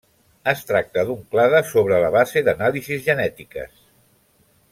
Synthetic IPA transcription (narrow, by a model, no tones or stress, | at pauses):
əst̪ɾak̚t̪əðuŋklaðəsoβ̞ɾələβ̞azeðənalizizʒənɛt̪ikə̰s